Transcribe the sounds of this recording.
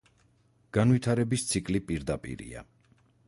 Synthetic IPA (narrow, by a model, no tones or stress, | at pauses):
ɡ̥anvwit̪ʰaɾɛbist̪sʰikʼlipʼiɾd̪apʼḭɾḭa̰